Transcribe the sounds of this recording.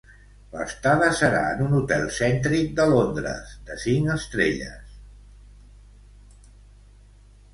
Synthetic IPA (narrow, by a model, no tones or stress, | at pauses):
lə̰st̪aðəsəɾa̰ənunut̪ɛlˠsɛnt̪ɾik̚d̪əlond̪ɾə̰zd̪əsiŋəst̪ɾeʎə̰s